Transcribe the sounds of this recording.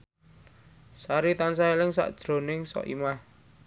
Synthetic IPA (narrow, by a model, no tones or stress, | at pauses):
saɾit̪ansaelɪŋsa̰ʔd̥ʒ̥ɾo̤nɪŋsɔ̰ʔḭmah